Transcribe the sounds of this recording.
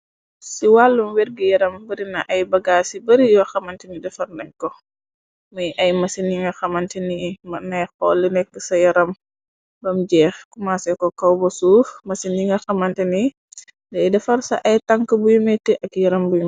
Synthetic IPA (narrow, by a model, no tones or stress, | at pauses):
siwalːumwɛɾɡijɐɾɐmbɐɾinɐʔɐjbɐɡaːsibɐɾijɔxɐmɐntɛnidɛfɐrnɛɲkɔ | məjʔɐjmɐsiniŋɡɐxɐmɐntɛnimɐnɛjxɔːlːinɛk̚ɡəsɐjɐɾɐm | bɐmɟɛːxkumasɛkɔkɐwbɔsuːfmɐsiniŋɡɐxɐmɐntɛni | dɛdɛfɐrsɐ̰ʔɐjtɐŋkəbujumɛtɛʔɐkjɐɾɐmbuju